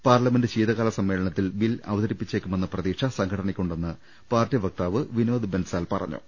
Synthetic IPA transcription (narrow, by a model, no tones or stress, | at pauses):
paːrlɐme̞ndɨt͡ɕiːðɐɣaːlɐsɐmːe̞ːlɐɳɐt̪ːilʋilɐ̰ʋɐðɐɾipːit͡ɕːeːkʲːume̞nːɨprɐðiːʂɐsɐŋkʰɐɽɐɳikʲːuɳɖe̞nːɨ | paːrtjɐʋɐk̚t̪aːʋɨʋinoːd̪ɨbensaːlpɐrɐ̰ɲːṵ